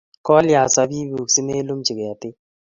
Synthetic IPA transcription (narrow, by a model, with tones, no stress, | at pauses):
kɔ˦lja˨sa˦bi˦bu˨ksi˦ne˦lu˦mt͡ʃi˨ɡe˨a˨t̪ɪ˦